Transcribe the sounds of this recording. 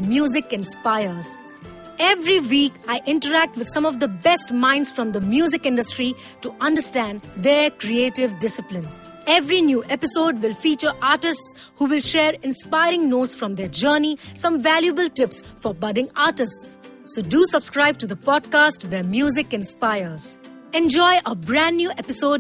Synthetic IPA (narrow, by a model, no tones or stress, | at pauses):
mjuːzɪkɪ̃nspaɪəɾz̥ | ɛvɾiʋiːkaɪʔɪ̃ɳʈəɾæk̚ʈʋɪd̪̥sʌ̃mɔʋd̪əbɛsʈmãɪ̃nɖsfɾɔ̃md̪əmjuːzɪkɪ̃nɖəsʈɾi | ʈuʔʌ̃nɖəsʈæ̃nd̪eːɾkɾieːʈɪʋɖɪsɪplɪ̃n | ɛvɾinjuːʔɛpɪsoːɖʋɪlfiːt͡ʃəɾʔaːɾʈɪsʈs | huːʋɪlʃeːɾɪ̃nspaɪɾɪ̃ŋnoːʈsfɾɔ̃md̪eːd͡ʒəːnisʌ̃mʋæljuəbəlʈɪpsfɔɾbʌɖɪ̃ŋaːʈɪsʈsː | oːɖusʌbskɾaɪb̚ʈud̪əpɔːɖ̚kaːsʈʋeɾmjuːzɪkɪ̃nspaɪəɾz̥ | ɛ̃nd͡ʒɔɪʔəbɾæ̃nːjuːʔɛpɪsoːɖ